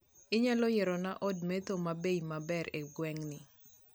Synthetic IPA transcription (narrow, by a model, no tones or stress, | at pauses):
ɪɲalɔjɛɾɔnaʔɔdmet̪omabeimabɛɾeɡwɛŋnɪ